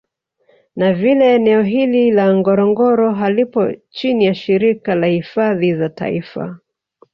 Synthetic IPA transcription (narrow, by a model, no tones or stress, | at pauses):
navilɛːnɛɔɦililaŋɡɔɾɔŋɡɔɾɔɦalipɔ̰t͡ʃinijaʃiɾikalahifaðizata̰ifa̰